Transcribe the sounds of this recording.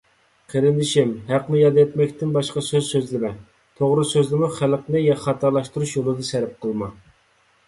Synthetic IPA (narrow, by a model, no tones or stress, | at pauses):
qʰeɾɪnd̪ɪʃɪmɦæqnɪjɑd̪jɛt̪mɛkʲt̪ɪnbɑʃqɑsøzsøzlɪmɛ | t̪ʰoʁɾɨsøzlɪmuχælqnɨjɑχɑt̪ʰɑɾlˠɑʃt̪uɾuʃjolˠɨd̪ɑsɛɾɛp̚qʰəlˠmɑ